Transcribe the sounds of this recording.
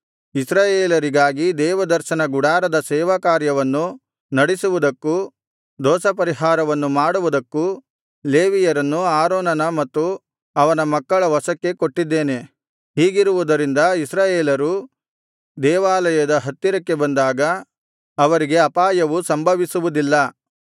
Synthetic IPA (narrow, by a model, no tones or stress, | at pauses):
isɾaːjeːlɐɾiɡaːɡid̪ɛːʋɐd̪ɐɾʃɐnɐɡuɽaːɾɐd̪ɐsɛːʋakaːɾjɐʋɐnːu | nɐɽisuʋud̪ɐkːu | d̪ɔːsɐpɐɾiɦaːɾɐʋɐnːumaːɽuʋud̪ɐkːu | leːʋijɐɾɐnːuaːɾoːnɐnɐmɐt̪ːu | ɐʋɐnɐmɐkːɐɭɐʋɔsɐkːe̞koʈːid̪ːeːne̞ | hiːɡiɾuʋud̪ɐɾind̪ɐisɾaːjeːlɐɾu | d̪ɛːʋaːlɐjɐd̪ɐɦɐt̪ːiɾɐkːe̞bɐnd̪aːɡɐː | ʋɐɾiɡe̞ɐpaːjɐʋusɐmbʱɐʋisuʋud̪ilːɐ